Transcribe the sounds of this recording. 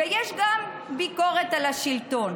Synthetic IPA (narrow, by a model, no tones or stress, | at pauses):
ejɛʃɡam | biko̞ʁet̪alaʃilt̪o̞n